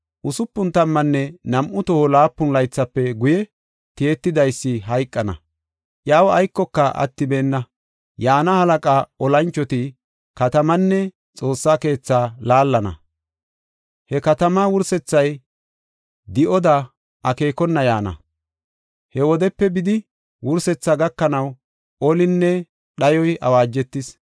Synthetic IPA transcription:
ʔʊsʊpːʊnt̪ɐmːɐnːɛnɐmʔʊt̪ɔhɔlaːpːʊnlɐjt͡sːɐpːɛɡʊjɛ | t̪eet̪ːɪd̪ɐjsːɪɦɐjkʼːɐnɐ̰ | ʔjaːwɐjkːɔkːɐʔɐ̰t̪ːɪbe̞ːnːɐ | jaːnɐhɐlɐkʼaːɔlɐnt͡ʃːɔt̪ɪ | kɐt̪ɐmɐnːɛ | t͡sʼo̞ːsːaːke̞ːt͡sːaːlaːlːɐnɐ̰ | hɛkɐt̪ɐmaːwʊɾsɛt͡sːɐj | d̪ɪʔɔd̪ɐ | ʔɐke̞ːkɔnːɐjaːnɐ̰ | hɛwɔd̪ɛpːɛbɪd̪ɪ | wʊɾsɛt͡sːaɡɐkːɐnɐw | ɔlɪnːɛ | ɗɐjɔjɐ̰waːd͡ʒːɛt̪ːɪs

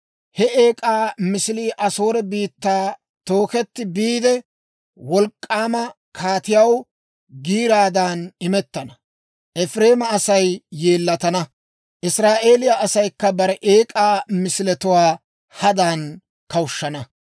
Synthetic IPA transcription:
hɛe̞ːkʼaːmɪsɪliːʔɐso̞ːɾɛbiːt̪ːaː | t̪o̞ːkɛt̪ːɪbiːd̪ɛ | wɔlkʼːaːmɐ | kʰaːt̪ɪjɐw | ɡiːɾaːd̪aːnɪmɛt̪ːɐnɐ | ʔɛfɾe̞ːmɐɐsɐjːe̞ːlːɐt̪ɐnɐ | ʔɪsɾaːʔe̞ːlɪjaʔɐsɐjkːɐbɐɾɛʔe̞ːkʼaːmɪsɪlɛt̪ʊwaː | hɐd̪aːn | kɐwʊʃːɐnɐ

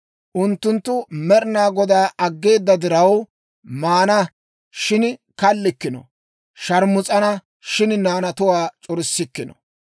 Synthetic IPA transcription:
ʔʊnt̪ːʊnt̪ːʊmɛɾɪnaːɡɔd̪aːʔɐɡːe̞ːd̪ːɐd̪ɪɾɐw | maːnɐ | ʃɪn | kɐlːɪkːɪnɔ̰ | ʃɐɾmʊt͡sʼɐnɐ | ʃɪnnaːnɐt̪ʊwaːt͡ʃʼɔɾɪsːɪkːɪnɔ̰

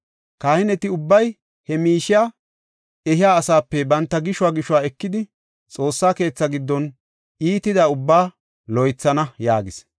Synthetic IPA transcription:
kaːhɪnɛt̪ɪʊbːɐj | hɛmiːʃɪjaː | ɛɦɪjaːsaːpːɛbɐnt̪ːɐɡɪʃʊwaːɡɪʃʊwaːɛkːɪd̪ɪ | t͡sʼo̞ːsːaːke̞ːt͡sːɐɡɪd̪ːɔn | iːt̪ɪd̪ɐʊbːaː | lɔjt͡sːɐnɐjaːɡɪs

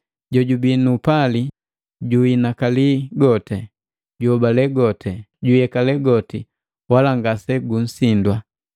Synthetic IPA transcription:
ɟɔɟubinupali | ɟuinakaliɡɔtɛ | ɟuɔbalɛɡɔtʰɛɟujɛkalɛɡɔti | walaŋɡasɛɡun̩sindwa

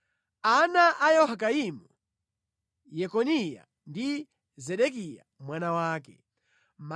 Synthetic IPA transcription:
anaʔajɔhak̬aimu | jɛkɔnija̰ | ndi | zɛɗɛk̬ija̰mwanawaːk̬ɛ | ma

